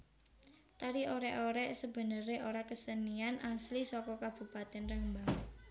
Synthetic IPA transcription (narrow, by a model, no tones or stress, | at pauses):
t̪aɾiʔoɾɛʔoɾɛsəb̥ə̤nəɾeʔoɾakəsənianʔaslisɔkɔkab̥ṳpat̪ɛnrəŋbaŋ